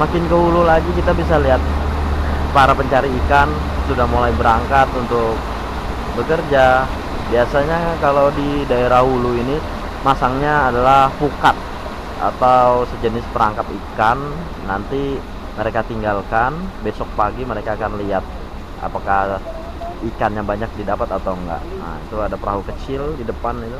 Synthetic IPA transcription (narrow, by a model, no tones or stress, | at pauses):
makɪnkəɦululaɡikit̪abis̬aliat̪̚ | paɾapəɲt͡ʃaɾiːkan | sudahmulajbəɾaŋkat̪unt̪ʊk̚ | bəkərd͡ʒa | biasaɲakalawdidaeɾahuluini | masaŋɲaːdalahpukat̪̚ | a̰t̪awsəd͡ʒənɪspəɾaŋkat̪ikanː | ant̪i | məɾekat̪iŋɡalkanbesɔk̚paɡiməɾekaːkanliat̪̚ | ʔa̰pakah | ikanjaŋbaɲak̚didapat̪at̪awŋɡa̰ʔa̰ḭt̪uadapəɾaɦukət͡ʃɪldidəpanit̪u